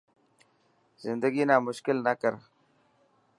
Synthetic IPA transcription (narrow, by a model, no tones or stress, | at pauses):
zɪnd̪əɡiːnaːmʊʃkɪlnəkəɾ